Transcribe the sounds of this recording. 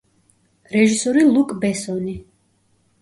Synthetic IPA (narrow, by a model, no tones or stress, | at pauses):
ɾɛʒisɔɾilˠukʼbɛsɔni